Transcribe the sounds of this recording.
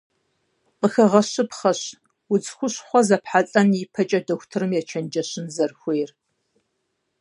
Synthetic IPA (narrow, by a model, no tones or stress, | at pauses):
qʼəxɐʁɐɕɨpχɐɕ | wʊt͡sʼxʷʊɕχʷɔzɐpħat͡sʼɐnjipʰɐt͡ʃʼɐdɐxʷtʰɨɾɨmjɛt͡ʃʰɐnd͡ʒɐɕɪnzɐrxʷejr